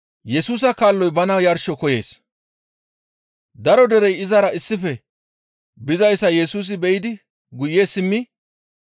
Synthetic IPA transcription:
jɛsuːs̬ɐkaːlːɔjbɐnɐjɐɾʃɔkɔje̞̰ːs | d̪ɐɾɔd̪ɛɾɛjɪzɐɾɐɪsːɪfɛ | bɪzɐjsːɐjɛsuːs̬ɪbɛjɪd̪ɪ | ɡʊjːesɪmːɪ

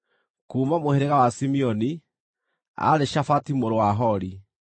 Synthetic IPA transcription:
kuːmamoheɾeɣawasimiɔni | a̰ɾeʃafatimoɾowaɦɔɾi

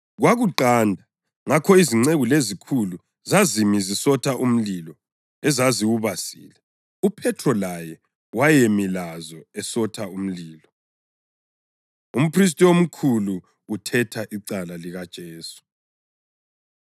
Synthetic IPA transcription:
ɣwaɣuǃandʱa | ŋakʰɔiziŋ͡ǀeɣulezikʰulu | zazimizisɔtʰaʔum̩lilɔ | ɛzaziwuβasḭːlɛ | upʰɛtʰrɔlajɛ | wajemilazɔɛsɔtʰaum̩liːlɔ | um̩pʰris̬tʼiom̩kʰuluː | tʰɛtʰaʔiǀalaliɣad̥ʒ̥ʱɛːsu̥

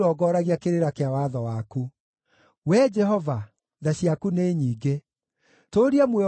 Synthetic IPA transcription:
ɔːɡɔːɾaɣiakeɾeɾakeawaðɔwaku | wɛd͡ʒɛɦɔva | ðaɕiakuneːɲiːɡe | toɾiamwɛ

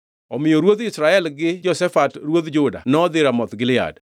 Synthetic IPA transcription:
ɔmɪjoɾwod̪ɪsɾaɛlɡɪd͡ʒɔsɛfatɾwod̪d͡ʒʊda̰nɔd̪ɪɾamɔt̪ɡɪlɪa̰d

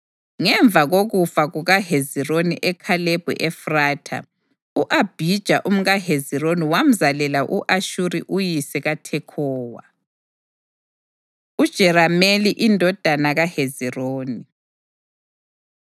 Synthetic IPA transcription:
ŋɛɱb̪vʱaɣoɣufaɣuɣahezironiʔɛkʰaleb̥ʱṵʔɛfraːtʰa̰ | uʔab̥ʱid̥ʒ̥ʱaʔum̩ɣaɦezironiwam̩zalɛlaʔuʔaʃuɾiʔujisɛɣatʰɛkʰɔːwa̰ | ud̥ʒ̥ʱɛɾameliʔindʱɔd̥ʱanaɣaheziroːni

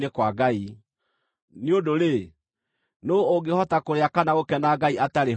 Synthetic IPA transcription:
nekwaɡai | neodoɾe | noːɡehɔtakoɾeakanaɣokɛnaɡaiataɾe

